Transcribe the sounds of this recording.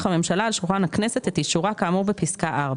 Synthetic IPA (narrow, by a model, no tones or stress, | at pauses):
χame̞mʃalaːlʃulχanakne̞se̞t̪et̪iʃuʁakaːmubepiskaʔaʁb